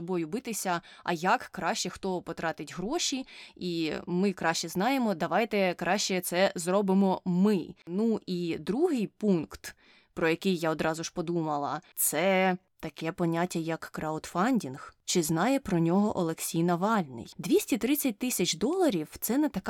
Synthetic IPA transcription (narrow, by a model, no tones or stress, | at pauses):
sɔbɔjʊbɪt̪ɪsʲɐɐ̰jɐkːɾɑʃt͡ʃɛxt̪ɔpɔt̪ɾɑt̪ɪtʲɦɾɔʃʲiimɪkɾɑʃt͡ʃɛznɑjemɔd̪ɐʋɑjt̪ɛkɾɑʃt͡ʃɛt̪sɛzɾɔbɪmɔmɪnuid̪ɾuɦɪjpunkt̪ | pɾɔjɐkɪjːaɔd̪ɾɑzʊʒ̥pɔd̪umɐlˠɐt̪sɛ | t̪ɐkɛpɔnʲatʲːɐjɐkːɾaʊt̪fɑnʲdʲinxt͡ʃɪznɑjɛpɾɔnʲɔɦɔʔɔlˠeksʲijnɐʋɑlʲnɪ̰jd̪ʲʋʲisʲtʲit̪ɾɪt͡sʲːɐt̚ʲt̪ɪsʲɐt͡ʃd̪ɔlˠɐɾʲiwt̪sɛnɛt̪ɐk